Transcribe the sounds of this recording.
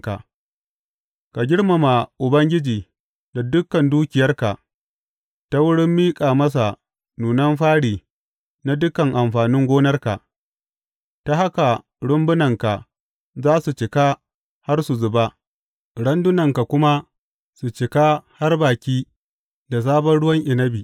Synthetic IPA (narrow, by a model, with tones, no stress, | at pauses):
ka̰˨ | ka˨ɡʲɪ˦ɽma˨ma˨ʔʊ˨bɐ˦ŋɡʲɪ˦d͡ʒiː˨ | da˨dʊ˦kːɐ˨nduː˦kʲɪ˨jɐ˦rka˨ʔ | ta˦wʊ˦ɽɪ˦mːiː˦kʼaː˨mɐ˦s̬a˨ | nuː˨nɐ˦mɸaː˦ɽiː˨ | na˦dʊ˦kɐ˨ŋʔa˨mɸaː˨nɪ˦ŋɡʷoː˦nɐ˦rka˨ʔ | ta˨ha˦ka˨ | ɽʊ˦mbʊ˦nɐ˨ŋka˨ | zaː˦su˨t͡ʃɪ˨ka˦ | ha˦rsu˨zʊ˨ba˦ | ɽɐ˦ndʊ˦nɐ˨ŋka˨kʷʊ˦ma˦ | su˨t͡ʃɪ˨ka˦ha˦rbaː˨kʲiː˦ | da˨s̬aː˦bɐ˦nɽʊ˦wɐ˦ŋʔɪ˨nɐ˦biː˨